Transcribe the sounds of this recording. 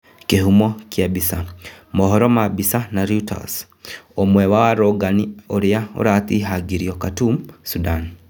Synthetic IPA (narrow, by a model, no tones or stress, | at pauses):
kihumokjabisamoɦoɾomabisanaɾjuta̰s | omwewawaɾoɡanioɾijao̰ɾatiɦaɡiɾiokatumsudaːni